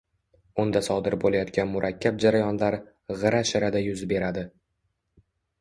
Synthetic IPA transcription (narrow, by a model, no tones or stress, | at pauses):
ʊnd̪asɒd̪ɪɾbolajɒt̪̚kʲanmʊɾʔakʲːab̚d͡ʒaɾajɒnlaɾ | ʁɨɾaʃɪɾad̪ajʊzbe̞ɾad̪ɪ